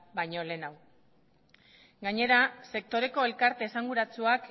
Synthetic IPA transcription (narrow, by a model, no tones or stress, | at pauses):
bajɲo̞le̞ːnaw | ɡaɲe̞ɾase̞k̚t̪o̞ɾe̞ko̞e̞lkaɾt̪e̞ːsaŋɡuɾat͡suak